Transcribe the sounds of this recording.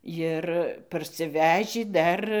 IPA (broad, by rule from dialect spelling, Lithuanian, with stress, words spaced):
ˈjɪr pɐrʲsʲɪˈʋʲæːʒʲiː ˈdɐr